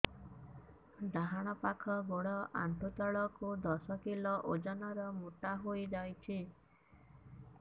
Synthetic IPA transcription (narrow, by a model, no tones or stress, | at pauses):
d̪aɦaɽ̃ɔpakʰɔɡoɽɔʔa̰nt̪ut̪aɭɔkud̪ɔsɔkilɔʔod͡ʒanɔɾɔmuʈaɦojd͡ʒajt͡ʃʰi